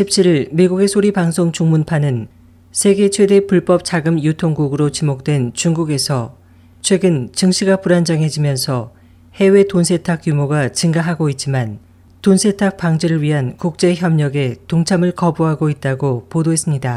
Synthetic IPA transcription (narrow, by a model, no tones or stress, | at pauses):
ɕʰip̚t͡ɕʰiɾiɭmiɡuɡe̞sʰoɾipaŋsʰoŋt͡ɕuŋmunpʰanɯn | sʰe̞ɡe̞t͡ɕʰwe̞de̞puɭp͈ʌp̚t͡ɕ͈aɡɯmjutʰoŋɡuɡɯɾot͡ɕimok̚t͈we̞nt͡ɕuŋɡuɡe̞sʰʌ | t͡ɕʰwe̞ɡɯnt͡ɕɯŋɕʰiɡapuɾand͡ʑaŋɦe̞d͡ʑimjʌnsʰʌ | he̞we̞tonsʰe̞tʰak̚jumoɡat͡ɕɯŋɡaɦaɡoit̚t͡ɕ͈iman | tonsʰe̞tʰak̚p͈aŋd͡ʑeɾɯɭɥiɦankuk̚t͡ɕ͈e̞çjʌmɲʌɡe̞toŋt͡ɕʰamɯɭkʌbuɦaɡoit̚t͈aɡopodoɦe̞s͈ɯmɲida